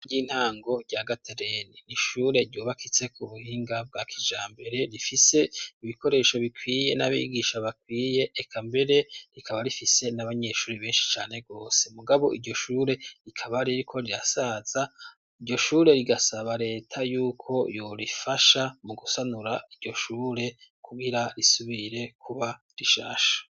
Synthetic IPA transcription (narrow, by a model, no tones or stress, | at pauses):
ɟiːn̥haːŋɡo̞ɟɟaːɡatʰeɾeniniʃuːɾe̞ɾɟuβakʰit͡se̞kʰuβuhiːŋɡab̚ɡakʰid͡ʒaːmbe̞ɾe̞ɾifise̞iβiko̞ɾe̞ːʃo̞βikwiːje̞naβḭɡiʃaβakwiːje̞ʔːkʰambe̞ɾe̞ɾikʰaβaɾifise̞naβaɲe̞ʃuːɾiβeːnʃi̥t͡ʃaːne̞ɡo̞ːse̞muɡaβo̞̰ʔiɾɟo̞ʃuːɾe̞ɾikʰaβaɾiɾikʰo̞ɾiɾasaz̥a | iɾɟo̞ʃuːɾe̞ɾiɡasaβaɾe̞ːtʰajuːkʰo̞jo̞ɾifaʃamuɡusanuɾaiɟɟo̞ʃuːɾe̞kʰuβiɾaɾisuβiɾe̞kʰuβa | ɾiʃa̰ːʃḁ